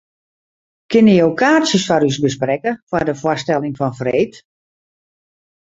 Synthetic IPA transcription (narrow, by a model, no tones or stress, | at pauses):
kɪnəjowkʰaːsjəsfɔɾysbəsprɛkəfwardəfwɔstɛlˠɪŋfɔnfreːt